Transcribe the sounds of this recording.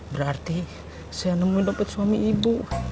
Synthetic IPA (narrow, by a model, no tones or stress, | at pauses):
bəɾart̪i | saanəmuidɔpɛt̪suamiibu